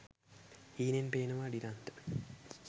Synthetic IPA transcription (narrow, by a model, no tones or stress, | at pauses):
hiːnenpeːnəʋaɖiɾant̪ə̥